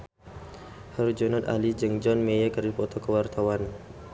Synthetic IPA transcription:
həɾud͡ʒɔnat̪a̰lid͡ʒəŋd͡ʒɔnmejəkərdipɔt̪ɔkəwart̪awan

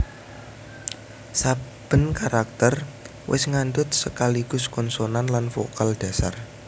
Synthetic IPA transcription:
sab̥ə̤nkaɾak̚t̪ər | wʔɪ̰sŋand̪ʊt̪̚səkaliɡ̥ʊ̤skɔnsonanlanfo̰kald̥a̤sa̰r

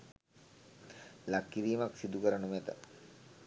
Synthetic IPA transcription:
lakːiɾiːmaksid̪ukəɾənumet̪ə̰

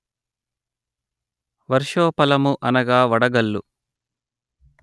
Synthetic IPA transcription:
ʋɐɾʂoːpɐlɐmuʔɐnɐɡaːʋɐɽɐɡɐlːu

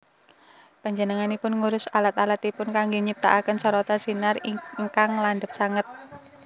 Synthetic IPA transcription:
paɲd͡ʒənəŋanipʊnŋuɾʊsalat̪alat̪ipʊnkaŋɡeɲip̚t̪a̰ʔakənsɔɾɔt̪asinariŋkaŋlanɖəp̚saŋət̪̚

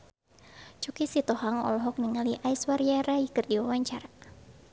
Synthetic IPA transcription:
t͡ʃukisit̪ɔɦaŋɔ̰lɔɦɔk̚niŋaliʔaiswaɾjaɾaikɨrdiwawaɲt͡ʃaɾa

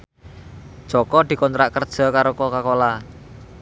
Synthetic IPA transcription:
d̥ʒ̥ɔ̤kɔd̪̥i̤kɔnt̪ɾaʔkərd̥ʒ̥ɔ̤kaɾokɔkakola

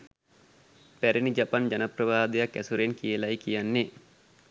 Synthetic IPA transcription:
pæɾinid͡ʒapand͡ʒanəprəʋaːd̪ejakːæsuɾenkijəlajkijanːe

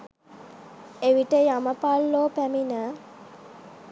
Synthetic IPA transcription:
eʋiʈəjaməpalːoːpæminə

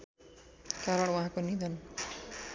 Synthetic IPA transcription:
kaɾʌɽ̃waɦãkonid̪ʱʌn

